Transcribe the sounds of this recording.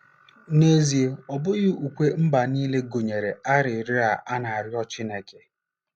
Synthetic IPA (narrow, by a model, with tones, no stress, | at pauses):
ne˦zi˨e˨ɔ˨bʊ˦ɣɪ˦u˨kʷe˦m̩˦ba˨niː˦le˦ɡo˨ɲe˨ɾe˨a˦ɾɪ˨ɾɪ˦a˨ʔa˦na˨a˨ɾjɔ˦t͡ʃi˦ne˨ke˨